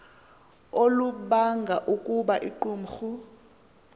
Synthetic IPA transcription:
oluɓaŋɡʱaʔukʼuɓaʔiǃuːm̩xu

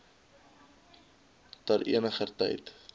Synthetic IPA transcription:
tɐrʔḭənəχərtɐ̰jt

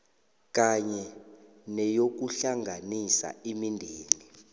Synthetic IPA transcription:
k̬ʼaɲɛ | nɛjok̬uɬaŋʱanisa̰imindʱeːni

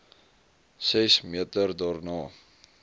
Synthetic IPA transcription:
sɛsmiətərdɑːrnɑː

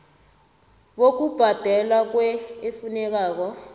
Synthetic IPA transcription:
ɓok̬ub̥ʱad̥ʱɛlwak̬wɛefunɛk̬aːk̬ɔ

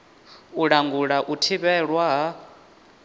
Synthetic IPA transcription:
uɺaŋɡuɺaʔutʰiβɛɺwaɦa

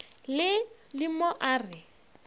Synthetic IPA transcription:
lɪ | limɔʔaːrɪ

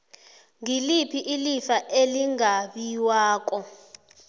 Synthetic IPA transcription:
ŋilipʰiʔilifaʔeliŋaɓiwaːk̬ʼɔ

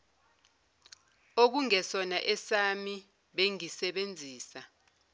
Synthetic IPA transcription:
ok̬uŋɛsɔnaʔɛsami | ɓeŋisɛɓend͡zʱiːsa

